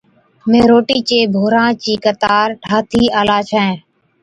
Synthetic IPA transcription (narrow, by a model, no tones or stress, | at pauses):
mẽːɾoːʈiːt͡ʃeːbʱoːɾãːt͡ʃiːkət̪aːɾʈʰaːt̪ʰiːaːlaːt͡ʃʰɛ̃ː